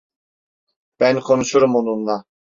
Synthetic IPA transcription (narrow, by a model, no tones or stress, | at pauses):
b̥ænkʰonuʃuɾumonunlˠɑ